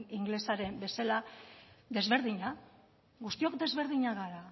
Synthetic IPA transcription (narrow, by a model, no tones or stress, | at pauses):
iŋɡle̞saɾe̞mbe̞salad̪e̞zβe̞ɾðiɲa | ɣust̪io̞kd̪e̞zβe̞ɾð̞iɲaɣaɾa